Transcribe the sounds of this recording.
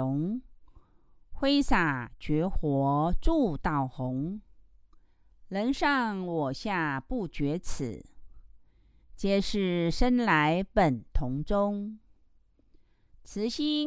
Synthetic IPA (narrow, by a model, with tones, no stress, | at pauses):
ʊ˧˦ŋ | xwe˥ɪsa˨˩t͡ɕɥɛ˧˥xwɔ˧˥˦ʈ͡ʂu˥˧t̪ɑ˥˩ʊxʊ˧˥ŋ | lə˧˥nʂɑ˥˩ŋwɔ˨˩ɕja˥˧pu˥˩t͡ɕɥɛ˧˥t͡s̩ʰ˨˩˦ | t͡ɕjɛ˥˧˩ʂɻ̩˥˩ʂə˥nla˧˥ɪpə˨˩nt̪ʰʊ˧˥ŋʈ͡ʂʊ˥ŋ | t͡sʰɹ̩˧˥ɕi˥